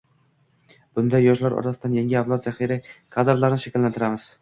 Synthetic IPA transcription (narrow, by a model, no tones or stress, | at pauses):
b̥ʊnd̪ajːɒʃlaɾɒ̰ɾt̪asɪd̪anjaŋʲɪavlˠat̪zaχiɾɪkʰad̪ɾlˠaɾnɪʃakʲɪlːant̪ʰɪɾamɪz̥